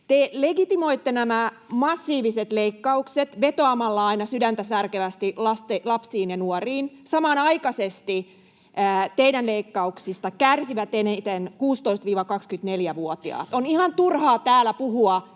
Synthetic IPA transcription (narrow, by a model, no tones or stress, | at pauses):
t̪eleɡit̪imo̞it̪ːenæmæ | mɑsːiːʋiset̪leikːɑukset̪ʋet̪oɑmɑlːɑɑinɑsydænt̪æsærkeʋæst̪ilɑst̪elɑpsiːnjɑnuoriːnsɑmɑːnɑikɑsest̪i | æt̪eidænleikːɑuksist̪ɑkærsiʋæt̪enet̪enkuːst̪oist̪ʋiːʋɑkɑkskyt̪neljæʋuot̪iɑ̰ːt̪onihɑnt̪urhɑːt̪æːlæpuɦuɑ